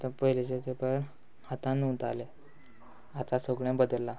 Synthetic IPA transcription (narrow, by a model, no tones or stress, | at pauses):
t̪əpəɦilet͡ɕet̪epəɳ | at̪ãnut̪ale | at̪ãsəɡɭẽbəd̪əlːa